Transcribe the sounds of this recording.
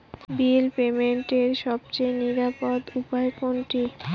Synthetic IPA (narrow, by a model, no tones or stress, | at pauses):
bilpemeɳʈeɾʃɔb̚t͡ɕejniɾapod̪upaekonʈi